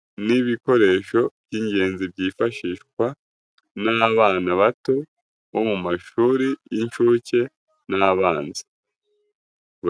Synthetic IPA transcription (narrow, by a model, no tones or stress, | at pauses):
niβiko̞ɾe̞ːʃo̞b̥̚ɟiːɲɟe̞ːnzibɟiːfaʃiʃkwa | naβaːnaβato̞ | βo̞mumaʃuːɾijiɲʃuce̞ | naβaːnzi | β